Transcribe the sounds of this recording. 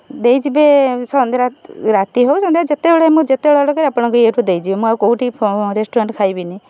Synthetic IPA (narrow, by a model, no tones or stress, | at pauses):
d̪ejd͡ʒibesɔnd̪ɾaɾat̪iɦowsɔnd̪ɾad͡ʒet̪eboɽeemũd͡ʒet̪eɔɭɔɽɔkaɾiapɔɽ̃ɔ̃ŋkɔeʈʰud̪ejd͡ʒibemũawkowʈipʰɾesʈuɾaɳʈkʰajbini